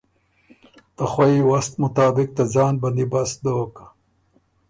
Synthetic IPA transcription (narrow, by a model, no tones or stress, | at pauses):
t̪ɐxwɐiwɐst̪mʊt̪ɑːbɪk̚t̪azɑːnbɐnd̪ibɐsd̪oːka